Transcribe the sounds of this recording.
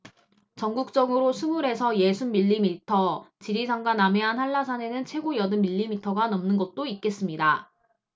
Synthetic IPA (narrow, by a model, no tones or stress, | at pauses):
t͡ɕʌŋɡuk̚t͡ɕ͈ʌɡɯɾosʰumuɾe̞sʰʌje̞sʰunːiʎːimitʰʌt͡ɕiɾisʰaŋɡwanameɦanhaɭːasʰane̞nɯnt͡ɕʰwe̞ɡojʌdɯnmiʎːimitʰʌɡanʌmnɯnɡʌt̚t͈oit̚k͈e̞s͈ɯmɲida